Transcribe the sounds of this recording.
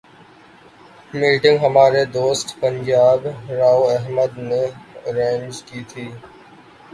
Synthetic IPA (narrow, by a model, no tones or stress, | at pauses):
miːʈɪ̃ŋɡɦəmaːɾed̪oːsʈpə̃ɲd͡ʒaːbɾaːuɛɦməd̪neɾẽːnd͡ʒkiːt̪ʰiː